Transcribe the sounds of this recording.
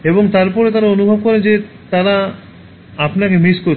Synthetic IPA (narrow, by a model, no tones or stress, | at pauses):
eboŋt̪aɾpɔɾet̪aɾaonubʱobkɔɾend͡ʑe | t̪aɾa | apnakemiskoɾ